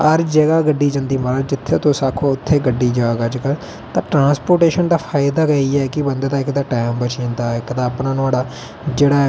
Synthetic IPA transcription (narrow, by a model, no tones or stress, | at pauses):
əɾd͡ʒəɡaːɡəɖːiːd͡ʒə̃nd̪iːməɾəd͡ʒɪt̪ʰːeːt̪õːsaːkʰõːʊt̪ʰːeːɡəɖːiːd͡ʒaːʋaːɡəd͡ʒkəl | t̪ãːʈɾãːspoːɾʈeːʃənd̪aːpʰaːɪd̪aːɡəiːɛːkɪbənd̪eːt̪aːɪkd̪aːʈaːmbət͡ʃĩːnd̪aːɪkd̪aːəpnãːnʊaːɽaː | d͡ʒeːɽaː